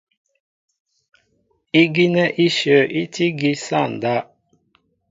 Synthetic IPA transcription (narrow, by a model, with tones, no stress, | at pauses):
i˦ɡi˦nɛ˦ʔi˦ʃø˨ʔi˦ti˦ɡi˦sa˦˨n˨da˦